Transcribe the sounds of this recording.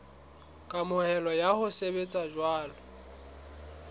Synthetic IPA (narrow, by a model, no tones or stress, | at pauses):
kʼamʊhɛlɔjahʊsebet͡sʼaʒwaːlɔ